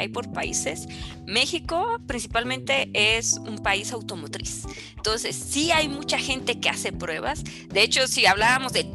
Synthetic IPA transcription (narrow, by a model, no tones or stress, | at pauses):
a̰jpo̞ɾpa̰ḭse̞s | me̞xiko̞pɾins̬ipalmẽ̞nt̪e̞ʔesumpaisawt̪o̞mo̞t̪ɾḭs | nt̪o̞nse̞sːiajmut͡ʃaxe̞nt̪e̞ke̞ase̞pɾwe̞βa̰s | d̪e̞et͡ʃo̞siaβlaβamo̞zðe